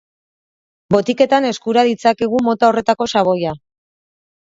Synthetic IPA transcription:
bo̞t̪ike̞t̪ane̞skuɾaðit͡sake̞ɣ̞umo̞t̪ao̞re̞t̪ako̞saβ̞o̞ja

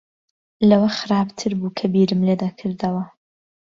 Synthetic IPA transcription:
lɐwɐxɨɾaːbt̪ʰɨɾbuːkʰɐbiːɾɨmled̪akʰɨɾd̪ɐwɐ

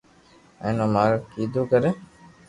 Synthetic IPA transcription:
ɛ̰̃ːnõːmaːɾəkiːd̪uːkəɾeː

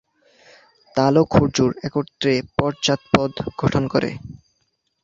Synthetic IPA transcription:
t̪alokʰːoɾd͡ʑuɾɛkot̪ːɾepɔɾt͡ɕat̪̚pɔd̪ɡʱɔʈʰonkɔɾḛ

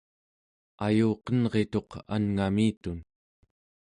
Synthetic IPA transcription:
ajuːqʌnʁe̞t̪o̞qa̰nŋamiːt̪un

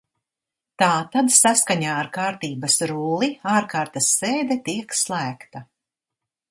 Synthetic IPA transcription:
t̪aːt̪ad̪saskaɲaːɾkaːɾt̪iːbɐsɾuːlˠiaːɾkaːɾt̪ɐsːeːd̪ɛt̪iɛkslˠæːkt̪ɐ

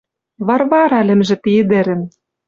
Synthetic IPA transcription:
βɑrβɑɾɑlɘ̆mʒɘ̆t̪iɘd̪ĕɾɘ̆n

